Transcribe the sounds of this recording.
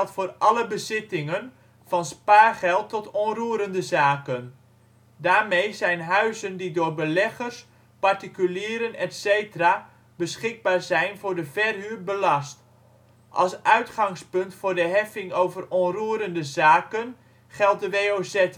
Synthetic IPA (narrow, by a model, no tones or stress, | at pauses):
tfʊːrɑləbəzɪtɪŋən | fɑnspaːχɛlˠtːɔtɔnruəɾəndəzaːkən | daːrmejzɛjnɦœɥzəndidʊːrbəlɛχərs | partikyliːɾənɛtseːtəra | b̥əsχɪɡ̚baːrzɛjnvʊːɹdəfɛrhyːrbəlɑst | ʔɑ̰lˠsʔœɥtχɑŋspɵntfʊːrdəɦɛfɪŋowvərɔnruəɾəndəzaːkən | χɛlˠt̚dəʋeːoːsɛt